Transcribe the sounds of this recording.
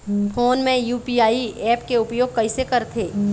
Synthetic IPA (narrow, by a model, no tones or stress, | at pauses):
fʰoːnmẽjuːpiaːiɛːpkeʊpjoːɡ̚kɐisekɐɾt̪ʰeː